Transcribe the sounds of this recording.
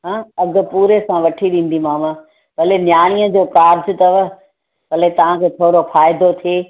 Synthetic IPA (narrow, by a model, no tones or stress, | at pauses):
ɦãːɐɡʊ̆puːɾesãʋɐʈʰiɗĩːn̆d̪imaːma | ʋɐlenjaːɽ̃iːə̃d͡ʑoːkaːɾd͡ʑʊt̪ɐʋə | bɐlet̪ɐʋ̤ãkʰeːt̪ʰoːɾofaːɪd̪ot̪ʰieː